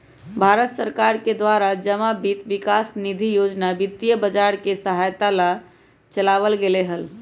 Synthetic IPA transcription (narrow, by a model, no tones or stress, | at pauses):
bʱaɾət̪səɾkaɾked̪waɾad͡ʒəmabit̪ʋikasnid̪ʱijod͡ʒnabit̪ːijəbəd͡ʒaɾkesəɦajt̪ala | t͡ʃəlaβəlɡeleɦəl